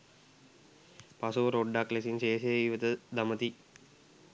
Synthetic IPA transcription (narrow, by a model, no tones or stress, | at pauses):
pasuʋəɾoɖːaklesinʃeːsejiʋət̪əd̪amət̪i